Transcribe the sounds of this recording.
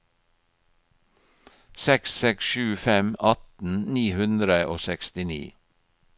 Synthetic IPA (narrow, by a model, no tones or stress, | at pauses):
sɛkssɛksʃʉːfɛmɑt̪n̩niːhʉnd̪ɾəʔo̰ːsɛkst̪ɪnḭː